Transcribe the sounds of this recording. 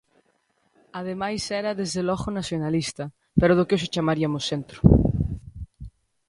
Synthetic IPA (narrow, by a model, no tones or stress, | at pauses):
aðemajsɛɾɐðezðelɔɣonasjonalist̪ɐ | peɾoðokeos̬et͡ʃamaɾiamʊsent̪ɾʊ̥